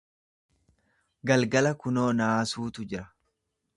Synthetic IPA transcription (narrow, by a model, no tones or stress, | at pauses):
ɡɐlɡɐlɐkʊnoːnaːsuːt̪ʊd͡ʒɪɾɐ̥